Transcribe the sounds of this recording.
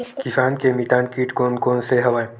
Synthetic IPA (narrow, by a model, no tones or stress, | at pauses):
kɪsaːnkemit̪aːnkiːʈkoːnkoːnseɦɐʋaːẽ